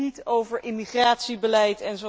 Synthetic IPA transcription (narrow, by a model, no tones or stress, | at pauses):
itowvəɹʔɪmiχraːtsibəlɛjtɛnzo